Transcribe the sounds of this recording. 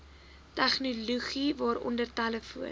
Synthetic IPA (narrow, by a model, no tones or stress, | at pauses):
tæχnuluχivɑːɾɔ̰ndərtæləfuən